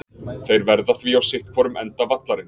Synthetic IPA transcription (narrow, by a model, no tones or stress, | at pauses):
θejɾvɛɾðaθviawsɪht̪̚kʰvɔːɾʏmɛnt̪avat̪laɾɪn